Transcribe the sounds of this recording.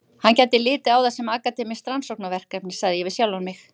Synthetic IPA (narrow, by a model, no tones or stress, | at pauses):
hancɛt̪ːɪlɪːt̪ɪawðasɛmaːkat̪ɪmɪst̪ransowknavɛr̥kɛpnɪ̥saɣðɪjɛvɪsjawlanmɪx